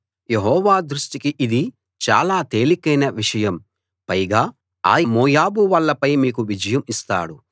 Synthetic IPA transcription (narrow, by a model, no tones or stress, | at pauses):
je̞ɦɔːʋaːd̪ɾusʈikiʔid̪i | t͡ʃa̰ːlaːt̪e̞ːlikɐjnɐʋiʂɐjɐm | pɐjɡaː | a̰ːjɐmoːjaːbuʋɐlːɐpɐjmiːkuʋid͡ʒɐjɐmist̪a̰ːɽu